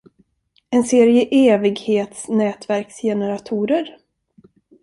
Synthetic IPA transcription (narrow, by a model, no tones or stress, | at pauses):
ɛnseːɾɪjəʔeːvɪɡheːt̪snɛːt̪væɾksjɛnəɾat̪ʰuːɾəɾ